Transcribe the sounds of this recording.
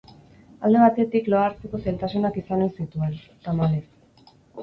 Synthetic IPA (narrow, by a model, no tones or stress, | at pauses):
ald̪e̞β̞at̪e̞t̪iklo̞aɾt͡seko̞sajlt̪asunakisanesit̪ue̞lt̪amales